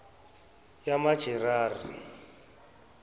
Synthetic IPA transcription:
jamḁʒ̥ʱɛraːrḭ

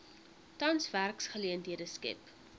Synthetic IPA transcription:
tɐnsværksχəliəntɦiədəskɛ̰p

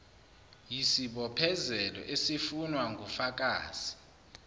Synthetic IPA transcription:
jisiɓɔpʰɛzɛlɔ̰ʔesifunwaŋɡʱufak̬ʼaːz̥i

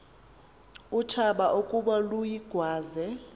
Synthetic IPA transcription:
utʰaɓaʔokʼuɓalujiɡ̥ʱwaːzɛ

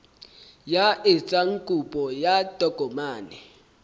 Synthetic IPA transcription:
jaʔɪt͡sʼaŋ̩kʼupʼɔjad̥ʱʼɔɡ̥ʱɔmaːnɛ

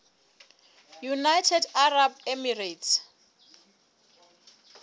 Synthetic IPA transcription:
junajtʰɛdarab̚ɛmiretʰ

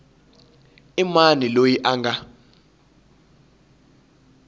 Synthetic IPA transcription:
imanilojiʔaŋɡa

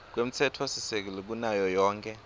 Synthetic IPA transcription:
k̬wemit͡sʰɛtʰwɔsisek̬ilik̬unajɔjɔːŋkʰʼɛ

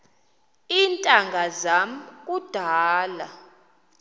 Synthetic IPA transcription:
iːntʼaŋɡʱazam̩kʼud̥ʱaːla

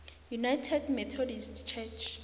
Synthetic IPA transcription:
junajtʰɛdmɛt̪ʰɔdistt͡ʃʰɛt͡ʃʰ

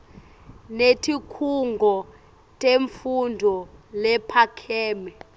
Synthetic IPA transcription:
netʰikʰuŋɡʱɔ | tʼeɱfundʱɔlɛpʰakʰɛːmɛ

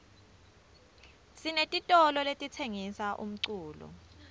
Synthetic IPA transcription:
sinetʼitʼɔlɔletʼit͡sʰeŋisaʔṵm̩ǀuːlṵ

